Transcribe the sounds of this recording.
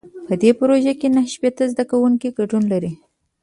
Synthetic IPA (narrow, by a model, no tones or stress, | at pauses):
pəd̪epɾoʒakenahʃpet̪azd̪akawuŋkiɡaɖunlaɾi